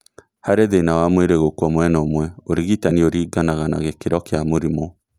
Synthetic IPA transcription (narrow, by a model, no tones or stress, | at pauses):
haɾeðenawamweɾeɣokwɔmwɛnɛomwɛoɾiɣitanioɾiːɡanaɣana̰ɣekeɾɔkeamoɾimɔ